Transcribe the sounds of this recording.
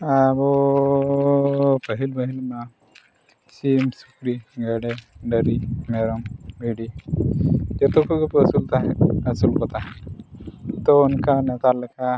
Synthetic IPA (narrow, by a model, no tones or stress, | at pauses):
abo | pəɦilbəɦilma | t͡ʃimsukɾiɡəɽeɖəɾimeɾəmbʱiɽi | d͡ʒet̪okʰukupɐsult̪aɦɐsulkot̪aɦe | t̪ounkanet̪aləkʰa